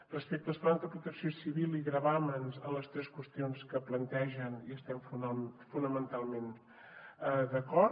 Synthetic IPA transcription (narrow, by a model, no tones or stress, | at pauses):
rəspek̚t̪əsplanzðəpɾut̪əksiosiβilˠiɣɾəβamənzələst̪ɾɛskwəst̪ionskəplənt̪ɛʒəniəst̪ɛmfufunəmənt̪alˠmen | əd̪əkɔɾ